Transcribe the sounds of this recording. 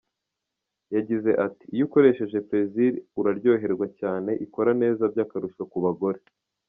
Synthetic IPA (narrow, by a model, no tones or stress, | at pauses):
jaɟize̞ʔati̥juko̞ɾe̞ʃe̞ʒe̞pɾe̞ziɾuɾaɾɟo̞ːɦe̞ɾɡwacaːne̞ʔiko̞ɾane̞ːzabjaːkaɾuʃokuβaɡo̞ɾe̞